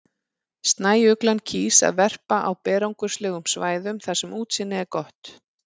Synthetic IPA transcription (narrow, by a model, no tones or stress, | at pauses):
st̪naːjʏklancʰiːsa̰ðvɛr̥paʔawpɛːɾawŋkʏ̥slɛːɣʏmsvaːjðʏmθasɛmuːt̪sɪnːɪɛɾkɔht̪